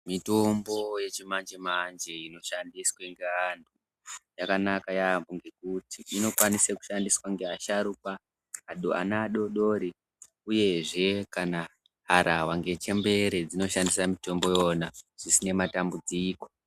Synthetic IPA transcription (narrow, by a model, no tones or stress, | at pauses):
mito̞mbo̞je̞t͡ʃimand͡ʒemand͡ʒe̞ino̞ʃandisweŋɡeantʰu | jakanakajaboŋɡe̞kutiːno̞kwaniseku̥ʃandiswaŋɡeaʃaɾupaː | ɗoa̰naːɗo̞ɗo̞ːɾi | uje̞ʐe̞kana | ɦaɾʔawaŋɡe̞t͡ʃe̞mbe̞ɾe̞d͡zino̞ʃandisamito̞mbo̞jo̞naʐ̥isine̞matambud͡ziːko̞